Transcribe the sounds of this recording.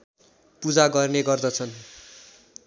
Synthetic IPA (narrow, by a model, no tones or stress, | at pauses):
pud͡zaɡʌrneɡʌrd̪ʌt͡sʰʌn